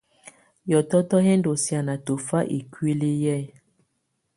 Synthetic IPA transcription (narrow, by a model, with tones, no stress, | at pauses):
jɔ˨tɔ˦tɔ˦ɦɛ˦ndo˨sja˨na˨to˨fa˦ʔe˨kwi˦le˦jɛ˦˨